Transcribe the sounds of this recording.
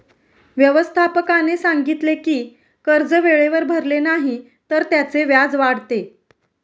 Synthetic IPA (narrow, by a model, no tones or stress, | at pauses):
ʋjəʋəst̪ʰapəkanesaŋɡit̪lekiː | kəɾd͡zəʋeɭeʋəɾbʱəɾlenaɦi | t̪əɾt̪jat͡seʋjad͡zʋaɽt̪e